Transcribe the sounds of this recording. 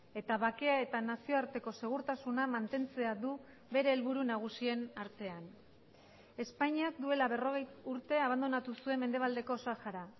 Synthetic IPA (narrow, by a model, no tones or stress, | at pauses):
e̞t̪aβake̞ae̞t̪anasio̞aɾt̪e̞ko̞se̞ɣ̞uɾt̪asunamant̪e̞nt͡se̞aðu | βe̞ɾe̞ːlβuɾunaɣ̞usie̞naɾt̪e̞an | e̞spaɲiakd̪ue̞laβe̞ro̞ɣ̞e̞juɾt̪e̞aβand̪o̞nat̪usue̞mːe̞nd̪e̞β̞ald̪e̞ko̞saxaɾa